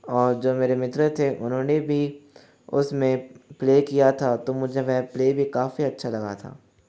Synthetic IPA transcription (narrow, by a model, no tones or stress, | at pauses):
ɔːɾd͡ʒoːmeːɾemɪt̪ɾət̪ʰeʔʊnɦõːnebʱi | ʊ̰smẽpleːkijat̪ʰat̪omʊd͡ʒʱemɛ̃ːpleːbʱikaːfiɐtːʃʰalɐɡa̰t̪ʰa̰ː